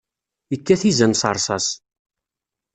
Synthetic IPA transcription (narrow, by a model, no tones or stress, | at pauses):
jəkːæθizənsə̰ɾˤsˤɑs